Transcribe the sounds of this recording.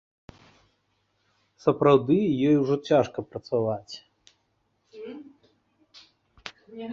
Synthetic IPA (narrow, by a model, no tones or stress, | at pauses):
sɐpɾawd̪ɨjɔjuʐɔt͡sʲaʂkɐpɾɐt̪savat͡sʲ